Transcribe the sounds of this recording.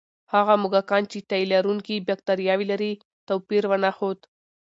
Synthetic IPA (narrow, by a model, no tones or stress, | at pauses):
haɣamʊɡakɑnt͡ʃet̪ailaɾuŋkibjak̚t̪aɾjɑwilaɾi | t̪apiɾwanaxod̪